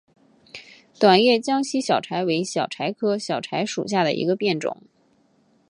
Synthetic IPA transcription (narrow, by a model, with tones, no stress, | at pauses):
t̪wa˨˩njɛ˥˩t͡ɕjɑ˥ŋɕi˥ɕjɑ˨˩ʊʈ͡ʂʰa˧˥ɪwe˧˥ɪɕjɑ˨˩ʊʈ͡ʂʰa˧˥ɪkʰɤ˥ɕjɑ˨˩ʊʈ͡ʂʰa˧˥ɪʂṵ˨˩ɕ̬ja˥˩d̪ə̰˩ʔḭ˧˥ɡə˧pjɛ˥˩nʈ͡ʂʊ̰˨˩˦ŋ